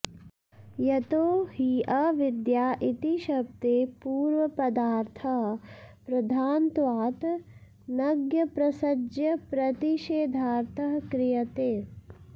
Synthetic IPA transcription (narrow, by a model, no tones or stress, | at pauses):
jɐt̪oːhiʔɐʋɪd̪jaːʔit̪iʃɐb̚t̪eːpuːɾʋɐpɐd̪aːɾt̪ʰɐɦpɾɐd̪ʱaːnt̪ʋaːt̪ | nɐɡjɐpɾɐsɐd͡ʒjɐpɾɐt̪iʃeːd̪ʱaːɾt̪ʰɐɦkɾɪjɐt̪eː